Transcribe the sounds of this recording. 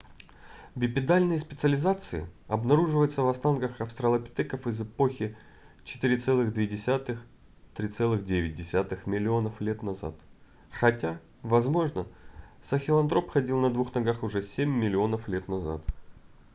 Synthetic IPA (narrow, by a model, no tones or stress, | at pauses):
vʲɪpʲɪd̪alʲnɨjəspʲɪt̪sɨəlʲɪzat̪sɨɪ̰ɐbnɐɾuʐɨvəjʊt̪səvɐst̪ankəxɐfst̪ɾəlˠɐpʲɪ̥t̪ɛkəfɨzɨpo̞xʲɪ | t͡ɕɪ̥t̪ɨɾʲɪt̪sɛlˠɨɣd̪vʲedʲɪsʲat̪ɨx | t̪ɾʲit̪sɛlˠɨɣdʲevʲɪt̚ʲdʲɪsʲat̪ɨxmʲɪlʲɪo̞nəflʲet̪nɐza̰t̪ | xɐtʲa | vɐzmo̞ʐnəsəxʲɪlˠɐnd̪ɾo̞pxɐdʲilˠnɐd̪vuxnɐɡaxʊʐɛsʲemʲːɪlʲɪo̞nəflʲet̪nɐza̰t̪